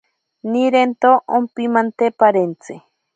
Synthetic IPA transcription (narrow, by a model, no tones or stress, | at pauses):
niɾent̪oʔompimant̪epaɾent͡se